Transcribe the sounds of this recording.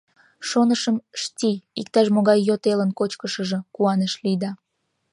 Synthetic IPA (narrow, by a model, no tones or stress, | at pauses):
ʃonəʃəmʃtʲiikt̪ɑʃmoɣɑjːot̪elənkot͡ɕkəʃəʒə̆kuɑneʃlid̪ɑ